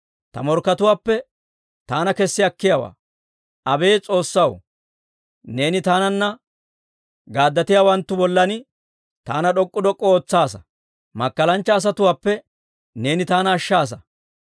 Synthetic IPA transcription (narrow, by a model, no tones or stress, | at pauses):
t̪ɐmɔɾkːɐt̪ʊwaːpːɛ | t̪aːnɐkɛsːɪɐkːɪjawa̰ː | ʔɐbe̞ːt͡sʼo̞ːsːɐw | ne̞ːnɪt̪aːnɐnːɐ | ɡaːd̪ːɐt̪ɪjaːwɐnt̪ːʊbɔlːɐnɪ | t̪aːnɐɗɔkʼːʊd̪ɔkʼːɔoːt͡sːaːsɐ̥ | mɐkːɐlɐnt͡ʃːɐːs̬ɐt̪ʊwaːpːɛ | ne̞ːnɪt̪aːnɐːʃːaːs̬ɐ